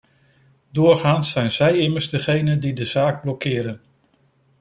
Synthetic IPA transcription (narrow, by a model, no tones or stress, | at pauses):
dʊːɹχaːnsɛjnzɛjɪməɹzdəχejnəndidəz̥aːɡ̚blɔkːɪːɾən